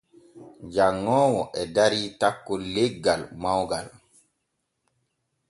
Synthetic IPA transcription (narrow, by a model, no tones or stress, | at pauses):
d͡ʒaŋːɔːwɔʔɛdaɾiːtakːɔleɡːalmawɡal